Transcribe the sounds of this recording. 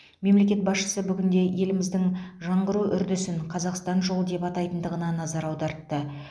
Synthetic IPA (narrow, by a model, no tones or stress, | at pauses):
me̞mle̞kʲe̞t̪̚bɑsʃə̥səbʏɡʲɪnd̪e̞je̞lɪmɪzd̪ɪŋʒɑɴʁəɾuʔʏɾd̪ɪsɪɴqʰɑzɑqst̪ɑnʒo̞lˠd̪e̞pɑt̪ɑjt̪ənd̪əʁənɑnɑzɑɾɑwd̪ɑɾt̪ːə